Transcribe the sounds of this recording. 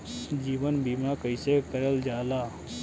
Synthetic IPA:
d͡ʒiːʋənbiːmãkəɪsekəɾəld͡ʒaːlaː

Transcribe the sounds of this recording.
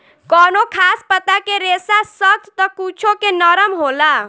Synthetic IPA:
kɔːnokʰaːspət̪akeɾeːsasət̪ʰt̪ɔkuːt͡ʃʰõkenɔːɾəmɦoːla

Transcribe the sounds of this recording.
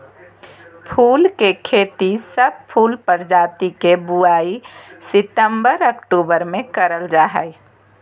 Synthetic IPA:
pʰuːlkekʰeːt̪isəb̚pʰuːlpəɾd͡ʒaːt̪ikebuaːisɪt̪əmbəɾəkʈuːbəɾmẽkəɾəld͡ʒaːɦə̰ɪ

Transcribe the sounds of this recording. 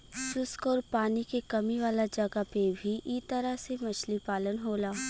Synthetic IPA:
sʊskɔːɾpaːnikekɐmiʋaːlad͡ʒɐɡapebʱiʔit̪ɐɾəɦsemɐt͡ʃlipaːlənɦoːlaː

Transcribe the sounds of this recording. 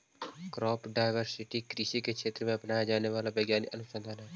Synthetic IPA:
kɾɔːpɖaːɪʋəɾsɪʈikɾɪʃikekʃʰeːt̪ɾəmẽɐpnaːjad͡ʒaːneʋaːlabɐɡjaːnḭʔɐnʊsə̃nd̪ʱanɦɛː

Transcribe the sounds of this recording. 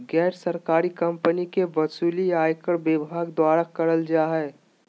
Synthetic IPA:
ɡɛːɾsəɾkaːɾikɐ̃mpənikeʋɐsuːliaːjkəɽbebʱaːɡd̪waːɾakəɾəld͡ʒaːɦɛː

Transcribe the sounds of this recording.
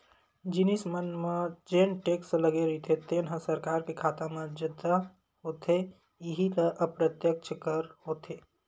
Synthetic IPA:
d͡ʒɪnismənmãd͡ʒeːnʈeːksləɡeɾit̪ʰet̪eːnɦə̃sɐɾkaːɾkekʰaːt̪ãmãd͡ʒɪd̪ʱa | ɦoːt̪ʰe | jɪɦit̪ɐʔəpɾət̪jək̚t͡ʃʰəkəɾhoːt̪ʰeː

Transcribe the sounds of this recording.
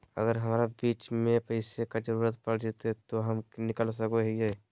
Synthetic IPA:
ə̰ɡəɾɦɐmaːɾabiːt͡ʃmẽpɐɪsekad͡ʒəɾuːɾət̪pɐɽd͡ʒet̪ɦɛt̪oɦɐmnɪkəls̬ɐkoɦɛe

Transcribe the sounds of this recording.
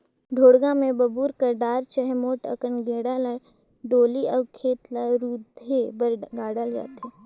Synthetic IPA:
ɖʱoːɽɡãmẽbɐbuːɾkəɾɖaːɾt͡ʃəɦɛmoːʈə̰kənɡeːɽaːləɽ | ɖoːliəːkʰeːt̪laɾuːd̪ʱebəɾɡaːɽəlja̰ːt̪eː

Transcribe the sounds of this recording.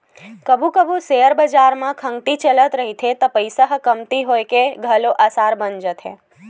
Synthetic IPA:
kəbũkəbũsejəɾbəd͡ʒaɾmãkʰəŋɡt̪it͡ʃələt̪ɾəɦit̪ʰet̪əpəjsəɦkəmt̪iɦojkeɡʱəloʔasaɾbənd͡ʒət̪ʰḛ

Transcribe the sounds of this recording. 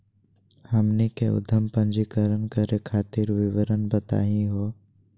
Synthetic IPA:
həmnikeʊ̰d̪ʱəmpə̃ɲd͡ʒikəɾənkəɾekʰaːt̪iɾʋɪʋəɾənbət̪a̰ːɦĩɦoː

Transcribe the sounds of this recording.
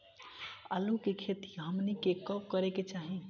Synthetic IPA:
ə̰lukekʰet̪i̥ɦəmnikekəp̚kəɾeket͡ʃaɦi

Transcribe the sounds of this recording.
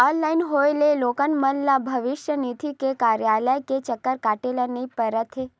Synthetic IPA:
ɔnlainɦoelelokənmənlabʱəʋɪʃjənit̪ʰikekaɾjaləjket͡ʃəkːəɾkaʈelanəipəɾət̪ʰe

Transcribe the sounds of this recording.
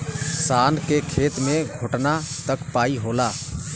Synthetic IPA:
saːnkekʰeːt̪mẽɡʱʊʈnat̪əkpaːiɦoːlaː

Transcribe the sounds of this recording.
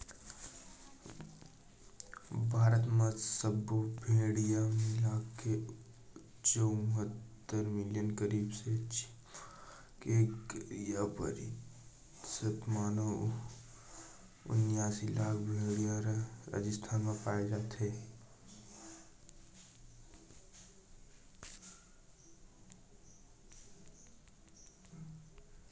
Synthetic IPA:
bʱaːɾət̪mãsəbbʱeːɽijamẽlaːkːe | t͡ʃəmɦət̪ːəɾmɪljənkəɾiːbset͡ʃ | kekjapə̰ɾ | sət̪maːno | ʊ̰njaːsilaːɡbʱeːɽiɔɾɾa̰d͡ʒəst̪ʰaːnmẽpaːed͡ʒaːt̪ɦe

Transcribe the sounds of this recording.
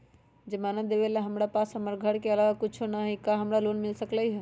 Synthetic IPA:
d͡ʒemaːnəd̪ebelaɦəmɾapaːsɦəməɾɡʱəɽkeəlaʋakʊt͡ʃʰonaɦikaɦəmɾaloːnmɪlsəkləiɦɛ

